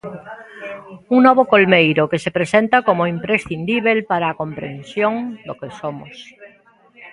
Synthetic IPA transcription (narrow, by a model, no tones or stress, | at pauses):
uŋnɔβ̞okolmejɾokesepɾesent̪akomoimpɾesθind̪iβ̞elpaɾaːkõmpɾẽnsjõŋd̪okesomo̰s